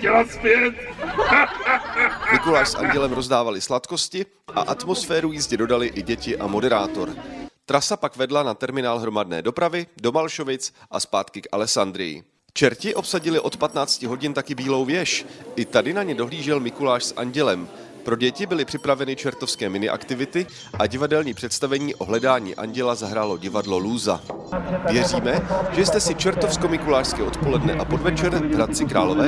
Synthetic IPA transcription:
cɛlaspjɛt̪̚ | mɪkulaːʃsʔa̰ɲɟɛlɛmɾo̞zdaːvalɪslat̪ko̞scɪ | ʔa̰ʔat̪mo̞sfɛːɾujɪzɟɛdo̞dalɪʔɪɟɛcɪʔamo̞dɛɾaːt̪o̞ɾt̪ɾasapakvɛdlanat̪ɛɾmɪnaːlɦɾo̞madnɛ̰ːdo̞pɾavɪdo̞malʃo̞vɪt͡sʔaspaːt̪kɪkʔa̰lɛsand̪ɾɪ̰jɪ̰ | t͡ʃɛɾcɪʔo̞psaɟɪlɪʔo̞t̪pat̪naːt͡scɪɦo̞ɟɪnt̪akɪbiːlo̞wvjɛʃʔɪt̪adɪnaɲɛdo̞ɦliːʒɛlmɪkulaːʃsʔa̰ɲɟɛlɛm | pɾo̞ɟɛcɪbɪlɪpr̥ɪpɾavɛnɪt͡ʃɛɾt̪ofskɛːmɪnɪʔa̰kt̪ɪvɪt̪ɪ | ʔaɟɪvadɛlɲiːpr̝̥ɛt̪st̪avɛɲiːʔo̞ɦlɛdaːɲḭːʔa̰ɲɟɛlazaɦɾaːlo̞ɟɪvadlo̞luːza̰vjɛriːmɛʒ̥ɛjst̪ɛsɪt͡ʃɛɾt̪o̞fsko̞mɪkulaːʃskɛːʔo̞t̪po̞lɛdnɛʔapo̞dvɛt͡ʃɛɾvɾat̪̚t͡sɪkɾaːlovɛː

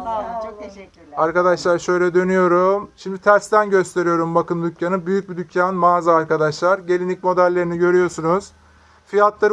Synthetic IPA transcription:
o | aɾkad̪aʃlˠaɾʃø̞jlʲɛd̪ø̞nyjo̞ɾumʃimd̪it̪ʰæɾst̪ænɟø̞st̪ʰe̞ɾijo̞ɾumbakɯnd̪ˠycʰjanɯbyjyc̚bid̪ycʰjanmaːzɯaɾkad̪aʃlˠaɾɟe̞lʲinic̚mo̞d̪ælʲːe̞ɾiniɟø̞ɾyjo̞ɾsunuz̥ | fijat̪lˠaɾ

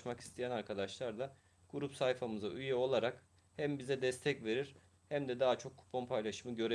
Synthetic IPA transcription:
maki̥st̪ʰijænaɾkʰad̪aʃlˠaɾd̪a | ɡ̥uɾupsajfamɯzayjɛo̞lˠaɾak | hæmbizɛd̪ɛst̪ʰɛcve̞ɾiɾ̥ | hæmd̪ɛd̪aːt͡ʃʰo̞kʰːu̥pʰːompʰajlˠaʃɯmɯɟø̞ɾe

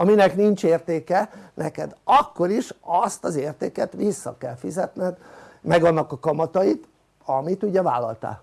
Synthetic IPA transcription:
ɒminɛknint͡ʃeːrt̪eːkɛnʔɛkɛd̪ɒkːo̞ɾiʃɒst̪ɒzeːrt̪eːkɛt̪ʋisːɒ̰kɛlfizɛt̪nɛd̪mɛɡɒnːɒkɒkɒmɒt̪ɒjit̪ | ɒmit̪uɟɛva̰ːlːɒ̰lt̪a̰ːl

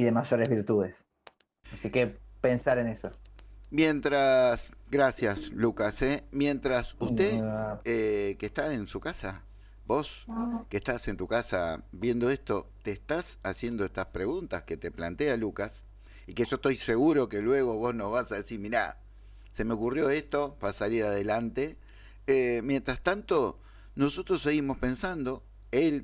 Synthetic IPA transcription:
iðemaʒo̞ɾezβiɾt̪uðes | asikepensaɾenesomje̞nt̪ɾasɣɾasjaslukasemje̞nt̪ɾasust̪eekehst̪aensukasa | bo̞skeht̪ase̞nt̪ukasa̰βje̞nd̪o̞est̪o̞t̪eːhst̪asasje̞nd̪o̞ehst̪aspɾe̞ɣunt̪aske̞t̪e̞plant̪ealukas | ikeʒot̪o̞jse̞ɣuɾo̞ke̞lwe̞ɣ̞o̞βo̞zno̞zβasaðe̞siɾmiɾa̰ | se̞meo̞kurjo̞est̪o̞βasaliɾaðe̞lant̪e̞ | emje̞nt̪ɾast̪ant̪o̞ | no̞so̞t̪ɾo̞se̞ɣimo̞spe̞nsand̪o̞ | el

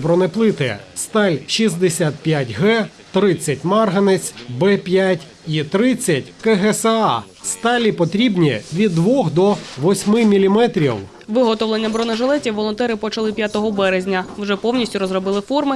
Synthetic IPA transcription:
bɾɔneplˠɪt̪ɪ̰st̪ɑlʲʃizd̪esʲat̪̚pʲjatʲɦɛ | t̪ɾɪt͡sʲːɐt̚ʲmɑrɦɐnɪt͡sʲbɛpʲjatʲ | it̪ɾɪt͡sʲːɐtʲkɛɦɛsɛɑ | st̪ɑlʲipɔt̪ɾʲibnʲiʋʲid̪ːʋɔxd̪ɔʋɔsʲmɪmʲilʲimɛt̪ɾʲiw | ʋɪɦɔt̪ɔwlenʲːɐbɾɔnɛʒelˠɛtʲiwʋɔlˠɔnt̪ɛɾɪpɔt͡ʃɐlˠɪpʲjat̪ɔɦɔbɛɾezʲnʲɐwʒɛpɔwnʲisʲtʲʊɾɔzrɔbɪlˠɪfɔrmɪ

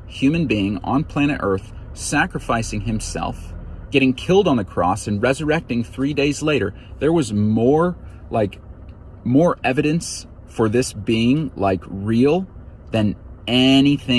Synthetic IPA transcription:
hjʉmɨ̃nbiɪ̃ŋə̰̃npʰl̥æ̃ñɨ̰ɾʔɜ˞θ | sækɹəfaɪsɪ̃ŋɨ̃msɛ̰lˠfɡ̥ɛɾɪ̃ŋkʰɪlˠdn̩ðɨkʰɹ̥ɔ̰sɨ̃nɹɛzə˞ɛk̚tɪ̃ŋθɹideɪzleɪɾə˞ | ðə˞wʌzmɔɹ | laɪk | mɔɹʔɛvɨɾɨ̃ns | fə˞ðɪsb̥iɪ̃ŋlaɪkɹilˠðɨ̃nɛniθɪ̃

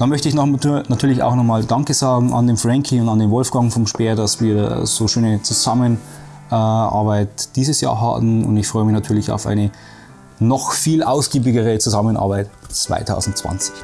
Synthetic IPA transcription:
d̥anmœçtəɪçnɔχmnatʰyːɐlɪça̰ʊxnɔχmaːldaŋkəzaːɡŋ̩ʔa̰ndeːnfʁɛŋkʰiʊntandeːnvɔlfɡ̥aŋfɔmʃpeːɐdasv̥iːɐ̰z̥oːʃøːnət͡suzamən | ʔɛʔa̰ɐbaɪtd̥iːzəsja̰ːɐɦa̰ːbmn̩ʊ̰ntɪçfʁ̥ɔʏəmɪçnatʰyːɐlɪça̰ʊfʔa̰ɪnə | nɔxfiːlʔaʊsɡ̥iːbɪɡəʁət͡suzamənʔa̰ːɐbaɪtt͡sv̥a̰ɪtʰa̰ʊzn̩t̚t͡sv̥a̰nt͡sɪ̥ç

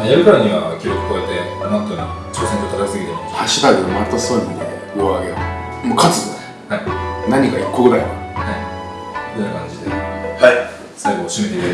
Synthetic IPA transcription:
ajaɾɯ̟kaɾaɲ̟iβakʲiɾʲokɯ̟̥koaet̪e | anãt̪onat͡ɕoːsẽt̪ot̪ʰakaisɨɡʲit̪emohaɕit̪aɡɯmat̪ːasomikoβaɡeo̰ | mokʰat͡sɨt̪ | hainaɲ̟ikaikːoɡɯd̪ajo̰hai | donakãɲ̟d͡ʑid̪ehai | saɡoɕimet̪eiɾ

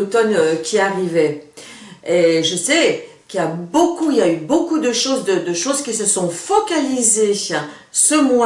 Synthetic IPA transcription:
ot̪ɔnøkʲʰiaʁivɛ | eʒəsɛ | kiljabokuiljaybokud̪əʃozd̪əd̪əʃozkʲisəsɔ̃fɔkalize | səmwa

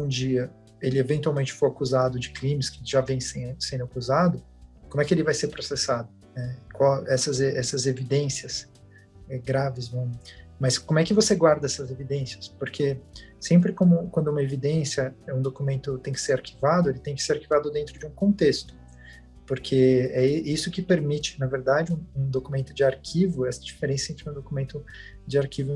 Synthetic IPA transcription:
ũd͡ʒiɐ | elɪevẽnt̪uawmẽnt͡ʃɪ̥fojakuzad̪ʊd͡ʒɪkɾĩmɪskɪʒavẽj̃sẽsẽnd̪ʊakuzad̪ʊ | kõmʊɛkɪelɪvajseɾpɾosesad̪ʊ | nɛkwawɛsɐzeɛsɐzevid̪ẽsiɐs | ɛɡɾavɪzvɐ̃w̃mɐskõmʊɛkɪvoseɡwaɾd̪ɐɛsɐzevid̪ẽsiɐspoɾkʰe | sẽmp̬ɾɪkõmʊkwɐ̃nd̪ʊumɐevid̪ẽsjɐɛũd̪okumẽnt̪ʊt̪ẽj̃kɪ̥seɾaɾkivad̪ʊelɪt̪ẽj̃kɪ̥seɾaɾkivad̪ʊd̪ẽnt̪ɾʊd͡ʒɪũkõnt̪est̪ʊ̥ | poɾkʰeɛisʊkɪpeɾmit͡ʃɪ̥nɐveɾd̪ad͡ʒɪũũd̪okumẽnt̪ʊd͡ʒɪaɾkʰivʊɛsɐ̥d͡ʒifeɾẽsɐẽnt̪ɾɪũd̪okumẽnt̪ʊ | d͡ʒɪaɾkivʊ

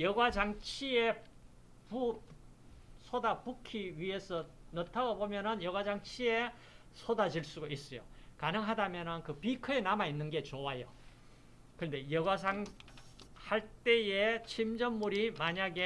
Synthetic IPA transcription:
jʌɡwad͡ʑaŋt͡ɕʰie̞ | pu | sʰodapukʰiɥie̞sʰʌnʌtʰaɡobomjʌnɯnjʌɡwad͡ʑaŋt͡ɕʰie̞ | sʰodad͡ʑiɭs͈uɡois͈ɯjo̰kanɯŋɦadamjʌnɯnkɯpikʰɯenamainːɯnɡe̞t͡ɕowajo | kɯʌnde̞jʌɡwasʰaŋ | haɭt͈e̞jet͡ɕʰimd͡ʑʌnmuɾimaɲaɡe̞

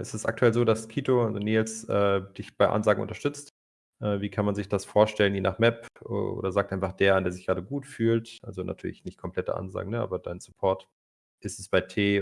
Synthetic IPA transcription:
ʔɪstɛsa̰k̚tʰuɛlzoːdaskʰiːtoalzoneːlsʔɛːd̥ɪçb̥aɪʔa̰nzaːɡŋ̩ʔʊ̰ntɐʃtʏt͡st | ʔɛːviːkʰanmanzɪçd̥asfoːɐʃtɛlənjeːna̰ːχmɛpʔɛ̰ʔo̰ːdɐzaːk̚tʔaɪnfaχd̥eːɐʔandeːɐzɪçɡ̥ʁaːdəɡuːtfyːltʔalzonʔa̰tʰyːɐlɪ̰çnɪçt̚kʰɔmpl̥ɛtə̰ʔa̰nza̰ːɡŋ̩nəʔa̰ːbɐd̥aɪnsu̥pʰɔɐt | ʔɪstɛsb̥aɪtʰeː

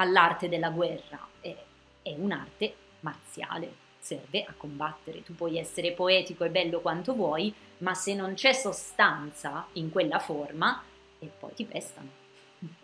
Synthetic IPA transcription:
alːart̪ed̪elːaɡwɛrːa̰ɛ | ɛuna̰rt̪e | mart̪sja̰ːlḛ | sɛrveʔakːombat̪ːeɾḛt̪upːwɔjɛsːeɾepoɛːt̪ikoɛbːɛlːokwant̪ovwɔj | masːenːont͡ʃɛsːost̪ant̪saiŋkwelːaforma | ɛpːɔ̰jt̪ipɛst̪a̰no

